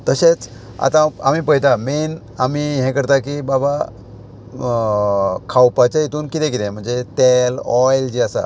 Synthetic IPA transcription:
t̪əɕet͡s | a̰t̪ãa̰miːpəɦt̪amen | amiɦɛ̃kəɾt̪akibaba | kʰawpat͡ɕjait̪uːnkit̪ɛ̃kit̪ɛ̃m̤əɳd͡zet̪elɔjld͡ʑiəsa̰

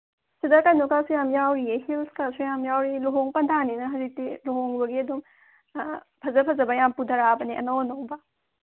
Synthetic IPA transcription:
sidɐkanukasujamjawɾiehilskasujamjawɾiluɦoŋpɐndʰʱaninɐɦɐzik̚tiloɦoŋbɐɡiɐdum | pʰɐzɐpʰɐzɐbɐjampudʱɐɾabɐniʔɐ̰nownowbɐ

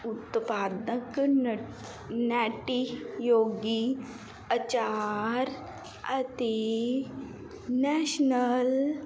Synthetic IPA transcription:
ut̪paːd̪nək | nɛʈijoːɡi | ət͡ɕaːɾ | ɐt̪e | nɛʃnəl

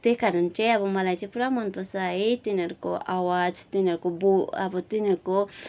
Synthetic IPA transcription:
t̪ekaɾʌnt͡sʌj̃ʌbʌmʌlajt͡sʌ̃ĩpuɾamʌnpʌsait̪inʌɾukoʔawad͡zt̪inʌɾukobuʌbʌt̪inʌɾko

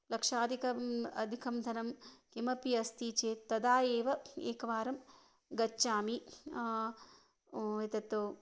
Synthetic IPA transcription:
lɐkʂaːd̪ʱikɐɐd̪ʱikʰɐmd̪ʱɐnɐmkimɐpiɐst̪iːt͡ʃeːt̪ːɐd̪aːjeːʋɐeːkɐʋaːɾɐm | ɡɐt͡ʃːt͡ʃaːmi | et̪ɐt̪ːoː

